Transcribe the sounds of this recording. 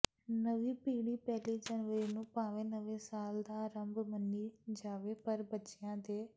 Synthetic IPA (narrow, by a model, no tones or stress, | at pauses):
nəʋiːpiːɽiːpɛːliːd͡ʒənʋəɾiːnũːpãːʋẽːnəʋẽːsaːld̪aːɾəmbmənːiːd͡ʒaːʋeːpəɾbətːʃɪjãːd̪eː